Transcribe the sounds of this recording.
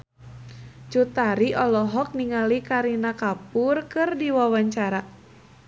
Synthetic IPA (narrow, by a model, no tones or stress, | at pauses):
t͡ʃut̪aɾiɔlɔɦɔk̚niŋalikaɾinakapʊrkɨrdiwawaɲt͡ʃaɾa